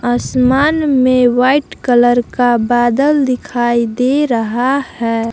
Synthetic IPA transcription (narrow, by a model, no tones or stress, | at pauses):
əsmaːnmewaɪʈkələɾkabaːd̪əld̪ɪkʰaːid̪eɾəɦahɛː